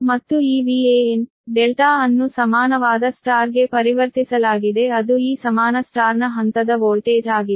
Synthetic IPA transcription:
mɐt̪ːuiːʋiːeːen | ɖɛlʈaːɐnːusɐmaːnɐʋaːd̪ɐsʈaːɾɡe̞pɐɾiʋɐɾt̪isɐlaːɡid̪e̞ɐd̪uiːsɐmaːnɐsʈaːɾnɐɦɐnt̪ɐd̪ɐʋoːlʈeːd͡ʒaːɡie

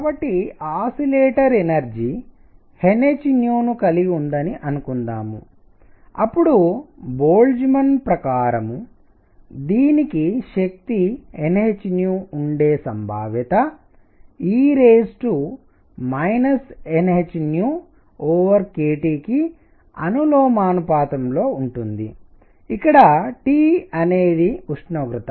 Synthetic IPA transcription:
kabɐʈːiaːsileːʈɐɾenɐɾd͡ʒi | henet͡ʃinjuːnukɐliɡund̪ɐniʔɐnukund̪a̰ːmṵ | ɐpːuɽuboːld͡ʒimɐnpɾɐkaːɾɐmu | d̪iːnikiʃɐk̚t̪ienɦet͡ʃinjuːuɳɖe̞ːsɐmbʱa̰ːʋjɐt̪ɐ | iːɾeːsʈu | mɐjnɐsenɦet͡ʃinjuː | oːʋɐɾkeːʈiːki | ɐnuloːmaːnupaːt̪ɐmlo̞ːuɳʈund̪ḭ | ikːɐɽɐʈiːɐneːd̪iuʂnoːɡɾut̪ɐ

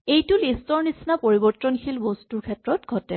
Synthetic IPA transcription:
ejtulistɔɹnisnapoɹibɔɹtːɔnxʰilbostuɹkʰɛtɹɔtɡʱɔtɛ

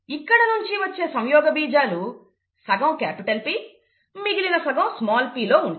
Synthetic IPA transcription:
ikːɐɽɐnuɲt͡ʃiʋɐt͡ʃːeːsɐwjɔːɡɐbiːd͡ʒaːlu | sɐɡɐ̃wkaːpiʈɐlpiː | miɡilinɐsɐɡɐ̃wsmaːlpiːloːuɳɖ

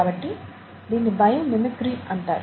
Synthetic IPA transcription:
aːbɐʈːi | d̪iːnːibʱɐjɐmnimikɾiːɐɳʈaːɾ

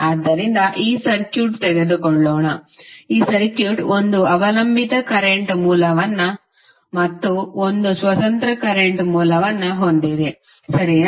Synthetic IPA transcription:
aːd̪ːɐɾind̪ɐʔiːsɐɾkjuːʈt̪ɛɡed̪ukoɭːoːɳɐiːsɐɾkjuːʈond̪uɐʋɐlɐmbʱit̪ɐkɐɾeɳʈmuːlɐʋɐnːɐ | mɐt̪ːuond̪usʋɐt̪ɐnt̪ɾɐkɐɾeɳʈmuːlɐʋɐnːɐɦond̪id̪e | sɐɾi

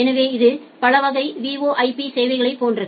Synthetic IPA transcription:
ɛnɐʋeːɪðɯ | pɐɭɐʋɐɣɐɪʋiːʋoːʔɐɪpiseːʋɐɪɣɐɭɐɪpːoːndrɐ

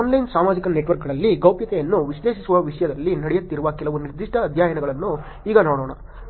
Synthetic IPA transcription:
aːnlɐjnsaːmaːd͡ʒikɐneʈʋɐɾk̚ɡɐɭɐlːiɡɐwpjɐt̪ɛjɐnːuʋiʃleːʂisuʋɐʋiʂɐjɐd̪ɐlːinɐɽɛjot̪ːiɾuʋɐkɛlɐʋuniɾd̪iʂʈɐːd̪ʱjaːjɐnɐɡɐɭɐnːu | iːɡɐnoːɽoːɳɐ

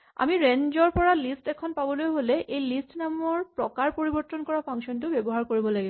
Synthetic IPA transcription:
a̰miɹenzɔɹpɔɹalistɛkʰɔnpabɔlojɦolɛʔejlistnamɔɹpɹɔkaɹpoɹibɔɹtːɔnkɔɹapʰaŋksɔntʊbɛbɔɦaɹkoɹibɔlaɡibɔ

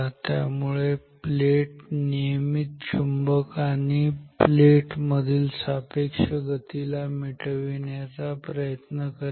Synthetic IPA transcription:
t̪ja̰muɭepleʈnijəmit̪t͡ɕʰumbəkaɽ̃ipleʈməd̪ʱiːlsapekʂəɡət̪ilamiʈʰəʋiɳjat͡sapɾəjət̪nəkə

